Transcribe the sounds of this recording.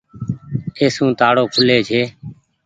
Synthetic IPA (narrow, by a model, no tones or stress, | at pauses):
eːsũːt̪aːɽoːkʰʊleːd͡ʒʰʱeː